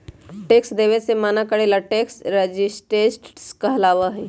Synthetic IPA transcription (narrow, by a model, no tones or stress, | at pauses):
ʈeːksd̪eːʋesemaːnakɐɽeːlaʈeːksɾed͡ʒɪsʈɾeːʈɾskaɐlaːʋaɦɛː